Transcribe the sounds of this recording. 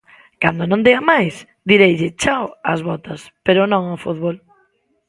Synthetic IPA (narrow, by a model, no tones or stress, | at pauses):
kand̪onõnd̪eɐmajs | d̪iɾejʎɪt͡ʃawɐzβɔt̪ɐspeɾʊnõŋafuðβol